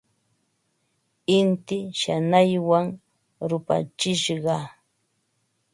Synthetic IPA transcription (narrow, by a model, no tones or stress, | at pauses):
ɪnt̪ɪʃanajwaŋ | ɾʊpa̰t͡ʃɪʃɢɑ